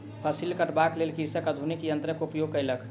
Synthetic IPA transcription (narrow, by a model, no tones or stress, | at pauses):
pʰəsilkəʈbaklelkiɾsəkəd̪ʱunikjənt̪ɾəkupjoɡ̚kəjləkʰ